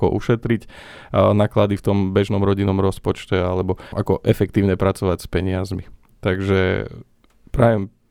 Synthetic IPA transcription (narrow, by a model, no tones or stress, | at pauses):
ɔ̰ʔuʃɛt̪ɾic | naːklad̪ift̪ɔmbɛʒnɔmɾɔɟinɔmɾɔspɔt͡ʃcɛalɛbɔʔakɔʔɛfɛkt̪iːʊɲɛpɾat͡sɔʋacspɛɲɪazmi | t̪aɡʒɛ̰ | pɾaʋɛm